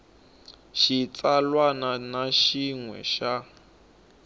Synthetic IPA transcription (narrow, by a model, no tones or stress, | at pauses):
ʃit͡salwananaʃiŋwɛ̰ʃa